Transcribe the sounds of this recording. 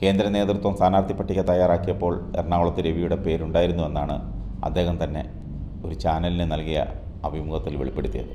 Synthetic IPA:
ke̞ːnd̪ɾɐne̞ːt̪rt̪wɐmsaːnaːrt̪ipːɐʈːikʲːɐt̪ɐjaːɾaːkːijɐpːo̞ːɭerɳaːwɭɐt̪ːiɾe̞ʋijuɽe̞pe̞ːɾuɳɖaːjiɾunːue̞nːaːɳɨ̰ | ɐ̰d̪ːe̞ːɣɐmt̪ɐnːe̞̰ | o̞ɾut͡ɕaːnɐlinɨnɐlkijɐ̰ | ɐbʱimuɣɐt̪ːilʋeɭipːe̞ɽut̪ːijɐ̰ðɨ

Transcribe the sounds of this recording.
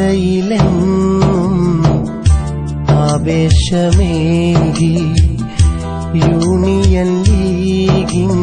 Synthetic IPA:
ɐilennum | aːʋeːʂɐmeɡi | juːnijɐlːiɡi

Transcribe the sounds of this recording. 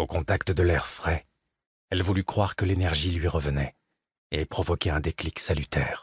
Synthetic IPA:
okɔ̃t̪akt̪əd̪əlɛʁfχɛ | ɛlvulykχwaʁkəlenɛʁʒilɥiʁəvənɛ | epχɔvɔkʲɛɛ̃d̪ekliksalyt̪ɛːʁ

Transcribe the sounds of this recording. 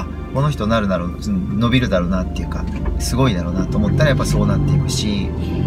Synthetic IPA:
a | ko̞no̞ç̬i̥t̪o̞naɾɯ̟naɾo | no̞bʲiɾɯ̟d̪aɾo̞ːnat̪ːe̞jɯ̟ka̰ | sɨɡo̞id̪aɾo̞ːnat̪o̞ːmo̞t̪ːaɾajapːaso̞ːnat̪ːe̞ikɯ̟ɕi

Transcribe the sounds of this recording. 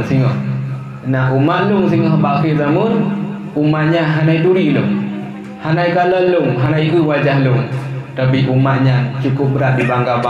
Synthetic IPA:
nsiŋɔh | naumaʔluŋsiŋɔɦbaʔkizamun | umat̪̚ɲanɦanajduɾiʔluŋ | hanajkaləluŋɦanajkuwad͡ʒahlʊŋt̪apiʔumat̪̚ɲant͡ʃukʊp̚bəɾat̪̚dibaŋɡaba

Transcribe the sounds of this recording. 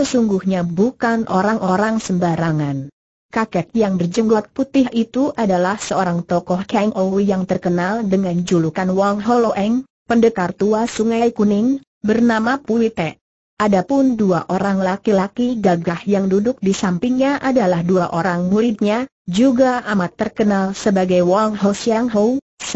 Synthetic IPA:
səsuŋɡuhɲabukanʔoɾaŋʔoɾaŋsəmbaɾaŋan | kakɛt̪̚jaŋbərd͡ʒəŋɡɔt̪̚put̪ɪɦit̪uʔadalahsəoɾaŋt̪ɔkɔhkaŋʔowijaŋt̪ərkənaldəŋand͡ʒulukanwɔŋɦoloʔɛŋ | pəndəkart̪uasuŋajkunɪŋ | bərnamapuit̪ɛ | ʔadapʊnduaʔoɾaŋlakilakiɡaɡahjaŋdudʊk̚disampiŋɲaʔadalahduaʔoɾaŋmuɾɪt̪̚ɲa | d͡ʒuɡaamat̪ːərkənalsəbaɡajwɔŋɦosiaŋɦow | s

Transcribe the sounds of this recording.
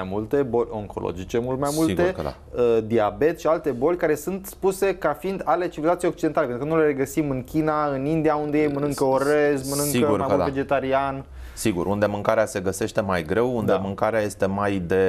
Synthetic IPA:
ajmult̪e̞bo̞lʲo̞ŋkolo̰d͡ʒit͡ʃe̞mult̪majmulɡ̪e̞̰a̰ | əd̪iabe̞t̪ʃialt̪e̞bo̞lʲkaɾe̞sunt̪spuse̞kafiind̪ale̞t͡ʃivilat̪sijejok̚t͡ʃid̪enalepenukənule̞ɾe̞ɡəsimɨŋkʲinaɨnind̪iaund̪ejejmənɨŋkkəoɾezmənɨŋkəuɾmajmved͡ʒet̪aɾian | siɡṵɾʔund̪e̞mɨŋkaɾease̞ɡəse̞ʃt̪e̞majɡɾe̞wund̪emɨŋkaɾeaje̞st̪e̞majd̪e̞

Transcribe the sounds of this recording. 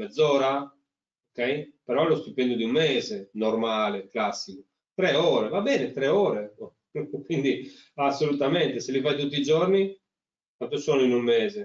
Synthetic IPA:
ɛd̪zːɔːɾa | okɛjpɛɾɔɛlɔst̪upːɛnd̪ud̪iumːɛːzenɔɾmaːleklasːiku | t̪ɾɛɔːɾevabɛːnet̪ɾɛɔːɾe | kwind̪i | asːolut̪amɛnt̪eselivajt̪̬ut̪ːid͡ʒɔɾni | kwant̪usɔːnoinumːɛːze

